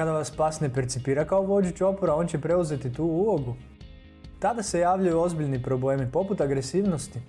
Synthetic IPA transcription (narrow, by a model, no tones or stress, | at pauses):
kad̪aʋaspasnepeɾt̪sipiːɾakaoʋo̞d͡ʒut͡ɕo̞poɾao̞nt͡ɕe̞pɾe̞uze̞t̪it̪uːulˠo̞ɡu | t̪ad̪ase̞jaːʋʎajuo̞zbiʎʲnipɾo̞ble̞ːmipo̞put̪aɡɾesiːʋnost̪i